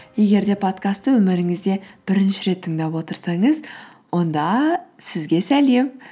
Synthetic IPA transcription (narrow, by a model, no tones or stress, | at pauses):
je̞ɡʲe̞ɾd̪e̞pʰo̞t̪kast̪ːəwɵmɪɾɪŋɪzd̪e̞b̥ɪɾɪnʃɪɾe̞t̪ʰːəŋd̪ɑpwo̞t̪əɾsɑɴəz | wo̞nd̪ɑsɪzɡʲe̞sæle̞m